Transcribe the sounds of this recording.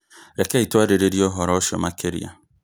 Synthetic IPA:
ɾekeituaɾeɾeɾiɔɦɔɾɔʃɔ̰makeɾḭa̰

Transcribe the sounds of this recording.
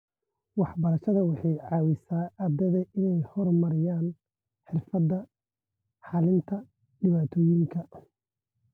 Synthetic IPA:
wɑħbɐɾɐʃɐðɐwɑħɑjʕɑːwɪsaːʔad̪ɐðɐʔɪnɛjhɔrmɐɾɪjaːn | ħɪrfɐd̪ːɐ | ħɑlɪnt̪ʰɐ | ɖɪβaːt̪ʰɔːjɪŋkʰɐ

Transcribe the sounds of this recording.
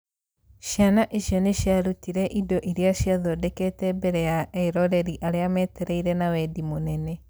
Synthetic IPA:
ʃjanaʔeɕjɔneɕjaɾutiɾɛʔidoʔiɾeaɕiaðodɛkɛtɛbɛɾɛaɛiɾɔɾɛɾiʔaɾeamɛːtɛɾeiɾɛnawɛdimonɛnɛ

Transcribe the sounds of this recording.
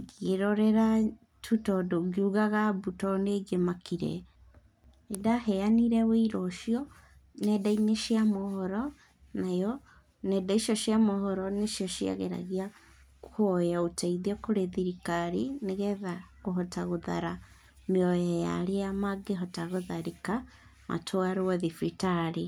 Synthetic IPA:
ɣeɾɔɾɛɾa | tʰutɔdoɣiuɣaɣabutɔneɡemakiɾɛ̰ | edahɛaniɾɛweiɾɔʃiɔ | nɛdaineʃiamohɔɾɔ | najɔ | nɛdaiʃɔʃiamohɔɾɔneʃjɔʃia̰ɣeɾa̰ɣia | uhojaotaiðɔkoɾeðiɾikaɾineɣɛðaɣoɦɔtaɣoða̰ɾa | meɔjɛja̰ɾejamaɡeɦɔtaɣoðaɾeka | ma̰tʰoaɾewɛðifitaɾe

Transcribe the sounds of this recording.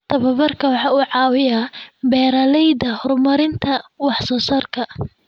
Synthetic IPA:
t̪ʰɐβɐβɐrkʰɐwɑħɑːuːʕɑːwɪjaːbɛːɾɐlɛjd̪ɐhɔrmɐɾɪnt̪ʰɐwɑħsɔːsɐrkʰɐ

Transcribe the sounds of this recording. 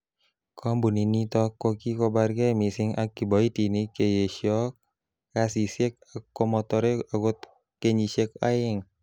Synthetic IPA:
kʰɔmbuninit̪ɔkːokikɔbarɡɛmisiŋa̰kːibɔit̪inikejeʃɔk̚ː | asisɛk̚akːɔmɔt̪ɔɾeaɡɔt̪̚ | kɛɲisɛk̚aiŋ

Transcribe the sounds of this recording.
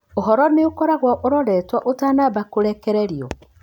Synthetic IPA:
oɦɔɾɔneokɔɾaɣwaʔoɾɔɾɛːtwaʔotaːnaβakoɾɛkɛɾɛɾiɔ

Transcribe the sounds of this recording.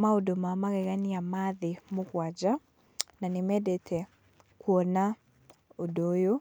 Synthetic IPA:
maodomamaɣɛɣaniamaðɪmokwad͡ʒa | nanɪmɛdetʰɛ | kwɔna | odojo

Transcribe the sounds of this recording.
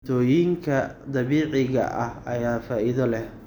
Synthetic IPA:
t̪ʰɔːjiŋkʰɐd̪ɐβiːʕɪɣɐ̰ʔɐhɐjaːfaːʔɪðɔlɛh

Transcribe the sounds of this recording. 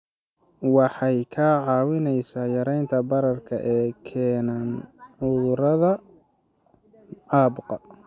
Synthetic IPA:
wɑħɑjkʰaːʕɑːwɪnɛjsaːjɐɾɛjnt̪ʰɐbɐɾɐrkʰɐʔɛːkʰɛːnaːnʕʊðʊɾɐðɐ | ɑːbqɑ

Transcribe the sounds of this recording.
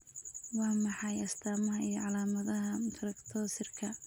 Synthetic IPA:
wɑːmɑħɑjɐst̪ʰaːmɐɦɐijɞʕɑlaːmɐðɐɦɐɾɐkt̪ʰɔːsɪrkʰɐ

